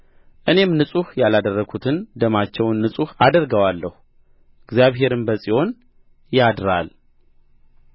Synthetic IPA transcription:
ʔɨne̞mnɨsʼuhjalad̪ərːəɡut̪ʰɨnd̪əmat͡ʃːɛwnːɨsʼuhad̪əɾɡəwalːəhu | ɨɡzjaβɦe̞ɾɨnbəsʼiho̞n | jad̪ɾa̰l

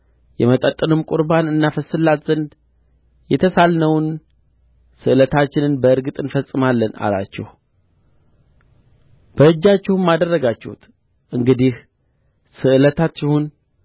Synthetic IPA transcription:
jɛmət̪ʼət̪ʼːɨnɨmkʼʊɾbanɨnːafəsɨlːat̪zənd̪ | jɛt̪ʰəsalnəwn | sɨʔɨlət̪ʰat͡ʃːɪnɨnbəɨɾɡɨt̪ʼɨnfəsʼɨmalːəna̰la̰t͡ʃːɛ̰h | b̥əɨd͡ʒːat͡ʃːɪhmːad̪ərːəɡat͡ʃːɛhṵt̪ | ʔɨŋɡɨd̪ih | sɨɨlət̪ʰat̪t͡ʃːɪhun

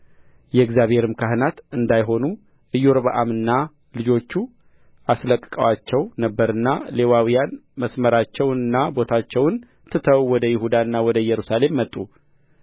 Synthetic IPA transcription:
jɛɡzjaβhe̞ɾɨmkʰaɦɨnat̪ɨnd̪ajɦo̞nu | ʔɨjːoɾbəʔamɨnːa | lɨd͡ʒo̞t͡ʃːu | ʔasləkʼːɨkʼəwat͡ʃːɛwnəbːəɾɨnːale̞wawijanməsməɾat͡ʃːɛwnɨnːabo̞t̪ʰat͡ʃːɛwn | t̪ʰɨt̪ʰəwwɔd̪əjɪhud̪aɨnːawɔd̪əjɛɾusale̞mːət̪ʼːu

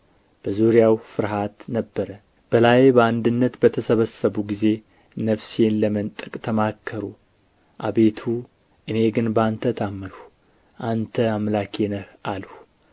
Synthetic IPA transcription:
b̥əzuɾjawfɨɾɦat̪nəbːəɾə | b̥əlajbəand̪ɨnːət̪bət̪ʰəsəβəsːəβuɡize̞ | nəβse̞nləmənt̪ʼɨkʼt̪ʰəmakʰːəɾu | ʔa̰βe̞t̪ʰu | ʔɨne̞ɡɨnbəant̪ʰət̪ʰamːɨnh | ʔant̪ʰəamlakʰenəhʔalh

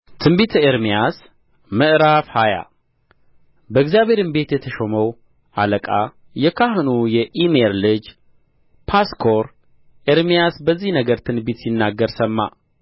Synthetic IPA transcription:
t̪ʰɨmbit̪ʰeɾmijas | mɨʔɾafhaja̰ | bəɨkzjaβe̞ɾɨnbe̞t̪jɛt̪ʰəʃoməw | aləkʼa | jɛkʰahɨnujɛʔimeɾlɨd͡ʒ | pʰaskʰoɾ | ʔeɾmijasbəzːihnəɡəɾt̪ʰɨnbit̪sinːaɡːəɾsəmːa̰

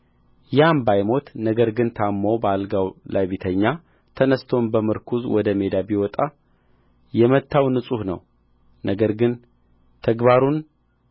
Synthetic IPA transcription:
jambajmo̞t̪nəɡəɾɡɨnt̪ʰamːowbəalɡawlaβit̪ʰəɲːa | t̪ʰənəst̪ʰo̞nbəmɨɾkʰuzwɔd̪əme̞d̪abiwɔt̪ʼa | jɛmət̪ʰːawnɨsʼuhnə̰w | nəɡəɾɡɨn | t̪ʰəɡβaɾun

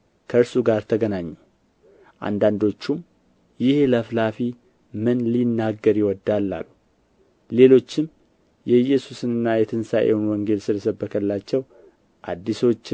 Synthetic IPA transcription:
kʰəɨɾsuɡaɾt̪ʰəɡənaɲːu | ʔa̰nd̪and̪o̞t͡ʃːum | jɪheləflafi | mɨnlinːaɡːəɾjɪwɔd̪alːa̰lːu | le̞lo̞t͡ʃːɪm | jɛjɛsusɨnɨnːajɛt̪ʰɨnsaʔewonwɔŋɡe̞lsɨləsəbːəkʰəlːat͡ʃːɛw | ʔa̰d̪ːiso̞t͡ʃː

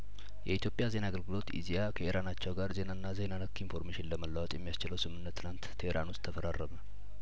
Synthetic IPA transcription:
jɛit̪ʰjo̞pʼjaze̞naːɡəlɡɨlo̞t̪ḭzijakʰəʔeɾanat͡ʃːɛwɡaɾze̞nanːazenanəkːinfo̞ɾmeʃɪnləməlːawɔt̪ʼjɛmːijast͡ʃɪləwsɨmɨnːət̪ːɨlant̪ʰːeeɾanʊst̪ʰːəfəɾarːəmə

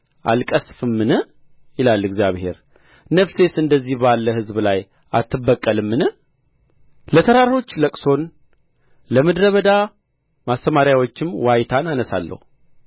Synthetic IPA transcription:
ʔa̰lkʼəsfɨmːɨnə | jɪlalːɨɡzijaβhe̞̰ɾ | nəfse̞sɨnd̪əzːihbalːəhɨzblaj | ʔa̰t̪ʰːɨbːəkʼːəlɨmːɨnə | lət̪ʰəɾaɾɾo̞t͡ʃːləkʼso̞n | ləməd̪ɾəβəd̪a | mast̪əmaɾjawo̞t͡ʃːɪmwajt̪ʰananəsa̰lːə̰hu

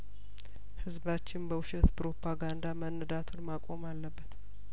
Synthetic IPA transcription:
hɨzbat͡ʃːɪnbəwʃɛt̪pɾo̞pʰaɡand̪amənːɨd̪at̪ʰolmakʼo̞malːəbːət̪

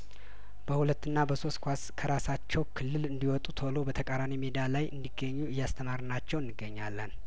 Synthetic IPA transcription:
b̥əhulət̪ːɨnːabəso̞st̪kʷaskʰəɾasat͡ʃːɛwkʰɨlːɨlɨnd̪iwɔt̪ʼut̪ʰəlo̞bət̪ʰəkʼaɾanimed̪ialajʔɨnd̪iɡəɲːuɪjːast̪ʰəmaɾɨnat͡ʃːɛwɨnːɨɡːəɲːalːən

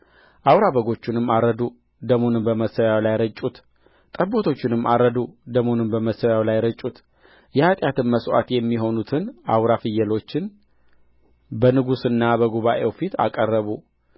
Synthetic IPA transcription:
ʔawɾabəɡo̞t͡ʃːɪnɨmːaɾəd̪u | d̪əmonɨmbəməsːəwjalajɾət͡ʃʼːut̪ | t̪ʼəbo̞t̪ʰo̞t͡ʃːɪnɨmːʔaɾəd̪ud̪əmonɨmbəməsəwjawlajɾət͡ʃʼut̪ | jɛhat̪ʼjat̪ɨnməswa̰t̪jɛmːiɦo̞nut̪ʰɨnawɾafɨjːɛlo̞t͡ʃːɪn | bənɨɡusɨnːabəɡuβaʔewfit̪a̰kʼərːəβu

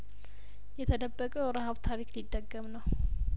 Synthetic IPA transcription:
jɛt̪ʰəd̪əbːəkʼəɾəɦaβt̪ʰaɾiklid̪ːəɡːəmnəw

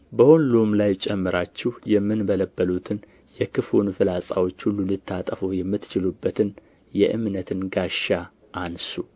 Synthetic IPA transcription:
bəhonlumlajt͡ʃʼɛmːɨɾat͡ʃːɪhjɛmːɨnbələbːəlut̪ʰɨn | jɛkʰɨfonfɨlasʼa̰wo̞t͡ʃːhulːulɨt̪ʰːat̪ʼəfojɛmːɨt̪ːt͡ʃɪlubːət̪ʰɨn | jɛʔɨ̰mnət̪ʰɨnɡaʃa | ʔansu

